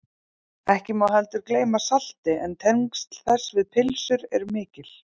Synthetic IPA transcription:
ɛhcɪmawɦɛlt̪ʏɾkleːjmasal̥t̪ɪʔɛnt̪ʰɛŋkst̪θɛsvɪðpʰɪlsʏɾɛɾmɪːcɪl̥

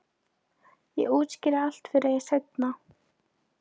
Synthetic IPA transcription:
jɛ̰ɣuːt̪scɪɾaal̥t̪fɪɾajɛset̪na

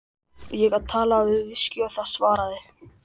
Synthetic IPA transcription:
jɛɣaðt̪ʰaːlavɪðvɪscʏawθaðsvaːɾaðɪ

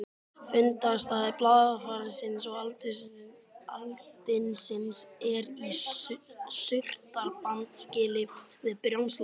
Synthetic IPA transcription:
fʏnt̪ast̪aːðɪplaːðafaːɾɪsɪns̬ɔɣalt̪ɪsalt̪ɪnsɪnsɛɾi | sʏr̥t̪aɾpant̪scɪːlɪ | vɪðpɾjawnsl

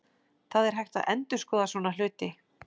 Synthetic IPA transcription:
θaðɛɾ̥ɦajht̪aðʔɛ̰nt̪ʏɾ̥skɔːðasvɔːnalʏːt̪ɪ

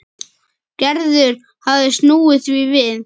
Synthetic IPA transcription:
cɛɾðʏɾ̥ | havðɪst̪nuːɪθvivɪð

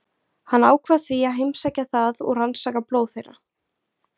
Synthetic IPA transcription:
hanːaːwkʰvaðθviaɦejmsacaθaðɔ̰ɣransaːkaploːwθejɾa̰

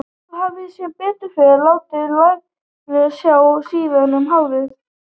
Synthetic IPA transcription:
havðɪsjɛpɪːt̪ʏfɛlaːwt̪ɪðlajk | lɪsjaːwsiːðanʏmɦawɾɪθ

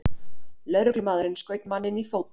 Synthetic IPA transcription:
lœðɾœklʏmaːðɾɪnskœːɥt̪manːɪnifow

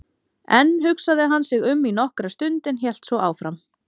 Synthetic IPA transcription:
ɛnːɦʏksaðɪɦansɪɣʏmːinɔhkɾast̪ʏnt̪ɪnçjɛl̥t̪svɔʔaːwfɾam

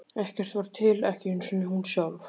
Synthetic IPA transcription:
ɛhcɛr̥t̪vaɾ̥t̪ʰɪlɛhcɪɪnsɛnɪhunsjawl

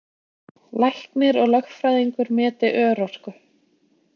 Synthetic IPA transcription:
lajhknɪɾɔɣlœxfɾajðiŋkʏɾmɛːt̪ɪʔœːɾɔr̥kʏ

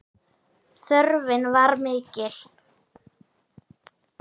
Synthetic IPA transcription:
θœɾvɪnvaɾmɪːcɪl̥

